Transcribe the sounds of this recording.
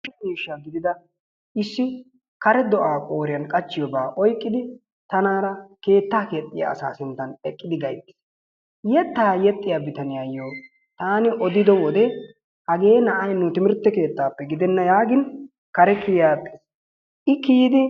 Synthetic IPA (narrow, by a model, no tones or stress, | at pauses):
ɛmiːʃːaɡɪd̪ɪd̪ɐ | ʔɪsːɪ | kɐɾɛd̪ɔʔaːkʼo̞ːɾɪjɐnkʼɐt͡ʃːɪjɔbaːʔɔjkʼːɪd̪ɪ | t̪ɐnaːɾɐke̞ːt̪ːaːkɛt̪ʼːɪja̰ɐ̰sa̰ːsɪnt̪ːɐnɛkʼːɪd̪ɪɡɐjt̪ːɪ̥s | jɛt̪ːaːjɛt̪ʼːɪjaːbɪt̪ɐnɪjaːjːoː | t̪aːnɪʔɔd̪ɪd̪ɔwɔd̪ɛ | hɐɡe̞ːnɐʔɐjnʊt̪ɪmɪɾt̪ːɛke̞ːt̪ːaːpːɛɡɪd̪ɛnːɐjaːɡɪn | kɐɾɛkɪjaːt̪ʼːɪ̥s | ʔɪkijɪd̪ɪ